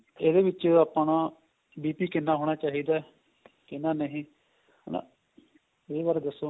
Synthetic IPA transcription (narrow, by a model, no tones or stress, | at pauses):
eːd̪eːʋɪt͡ʃːeaːpanãː | biːpiːkɪnːaːɦoːɽ̃aːt͡ʃaːɦiːd̪aː | kɪnːaːnəɦĩː | nã̰ | eːʋaːɾeːd̪əsːoː